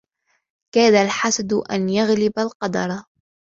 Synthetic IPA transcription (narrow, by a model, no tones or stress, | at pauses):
kaːd̪alħasad̪ʔanjaɣlɪbalqɑd̪ɑɾˤɑ